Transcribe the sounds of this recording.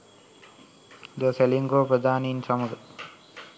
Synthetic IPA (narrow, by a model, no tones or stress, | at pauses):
d̪uaseliŋɡoːpɾəd̪ʱaːneinsaməɡə